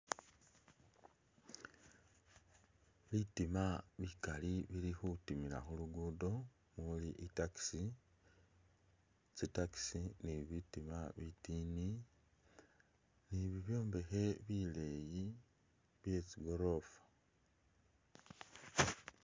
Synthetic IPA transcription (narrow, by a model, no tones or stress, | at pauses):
βitimaβikaliβilixutimiɾa̰xuluɡuːdo̞ | muuliʔitaki̥si | t͡sitaki̥siniβitimaβitiːni | niβiβjo̞ːmbe̞xe̞βile̞ji | βje̞t͡siɡo̞ɾo̞fḁ